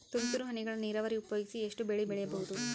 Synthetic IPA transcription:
t̪unt̪uɾuɦɐniɡɐɭɐniːɾɐʋɐɾiupɐjoːɡisieʂʈubeɭibɛɭɛjɐbɐɦud̪u

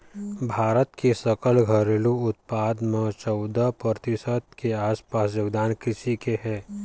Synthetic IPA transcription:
bʱaːɾət̪kʰesəkəlɡʱəɾeluʊt̪̚paːd̪mə̃t͡ʃɔʊd̪əpɾəɾt̪ɪsət̪keaːspaːsjoːɡd̪aːnkɾɪʃikeɦɛ̃ː

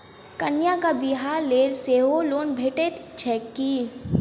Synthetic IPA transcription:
kɐnjakabiɦaːɾleːlseːɦoloːnbʱeːʈet̪t͡ʃʰɛki

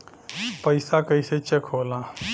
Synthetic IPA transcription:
pəɪsakəɪset͡ʃəkʰoːla

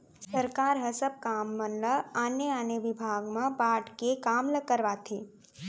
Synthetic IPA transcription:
səɾkaːɾɦəsəb̚kaːmːənləanjəaːnjəʋɪbʱaːɡmãpaːʈkekaːmləkəɾʋaːt̪ʰeː

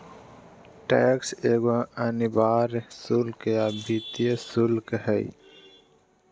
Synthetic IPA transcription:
ʈekseːɡoɐnibaːɾsulkjabit̪iesulkhəj̰

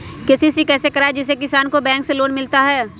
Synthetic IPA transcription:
kesisikɛːsekɐɾaːed͡ʒɪs̬ekɪsaːnkobɛ̃ːŋkseloːnmɪlt̪aɦɛː

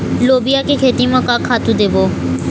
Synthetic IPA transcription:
loːbɪjakekʰeːt̪imãkakʰaːt̪ũd̪eːboː

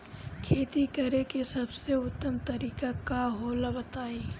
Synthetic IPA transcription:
kʰeːt̪ikɐɾekesɐbseʊt̪ːəmt̪ɐɾiːkakaɦoːlabɐt̪aːiː

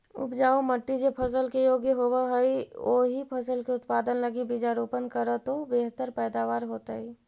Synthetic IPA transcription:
ʊ̰pd͡ʒaːoməʈːid͡ʒepʰəs̬əlkejoːɡjəɦoːwaɦioːɦipʰəsəlkeʊt̪paːd̪ənləɡibɪd͡ʒaːɾuːpənkəɾət̪obeɦt̪əɾpɛːd̪aːʋaːɾɦoːt̪ai

